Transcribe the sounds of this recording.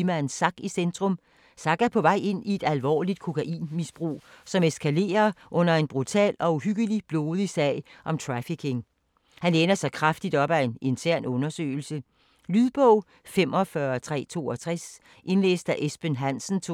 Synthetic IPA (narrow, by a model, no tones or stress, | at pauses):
mænsɑ̈ɡ̥isend̥ʁɔ̽m | sɑ̈ɡ̥æpʰɒ̽ʋɑ̈ɪe̝n̰ie̝d̥ælʋɒ̰ːlid̥̚kʰo̝kʰæʔḭːnmisb̥ʁṵːsɒ̽meskʰæle̝̰ːɐʔɔ̽n̰ɐe̝nb̥ʁut͡sʰɛ̰ːlɒ̽uɦyɡ̥əlib̥lo̝ːð̞ˠisɛɪʔɒ̽mt͡sʰʁɑfikʰe̝ŋ | hæneːnɐsɑ̈ɪkʰʁɑfd̥id̥ɒ̽b̥æe̝ne̝nt͡sʰæɐ̰nɔ̽nɐsø̰ːɪl̩sə | lyðˠb̥ɔʊ̰ | femɒ̽fɶɐt͡sʰʁɛ̰ːt͡sʰo̝̰ːɒt͡sʰʁɛs | ʔe̝nlḛːsd̥æʔesb̥enɦæn̰sn̩t͡sʰ